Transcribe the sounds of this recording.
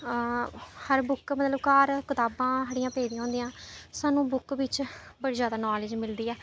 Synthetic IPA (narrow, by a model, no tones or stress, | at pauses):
həɾbʊkmət̪ləbkaːɾkɪt̪aːbãːɦəɽɪjãːpeːd̪ĩːaːʊ̃ːnd̪ijãːsaːnũːbʊkʋɪt͡ʃbəɽiːzjaːd̪aːnaːlɪd͡ʒmɪld̪iːɛː